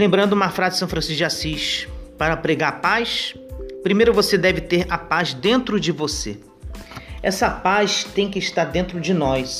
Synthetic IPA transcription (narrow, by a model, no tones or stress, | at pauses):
lẽmbɾɐ̃nd̪ʊũmɐfɾazɪsɐ̃w̃fɾɐ̃siʃɡasiʃpaɾɐpɾeɡaɾpajspɾimejɾʊvosed̪ɛvɪt̪eɾɐpazd̪ẽnt̪ɾʊd͡ʒɪvose | ɛsɐpast̪ẽj̃kɪːʃt̪aɾd̪ẽnt̪ɾʊd͡ʒɪnɔjs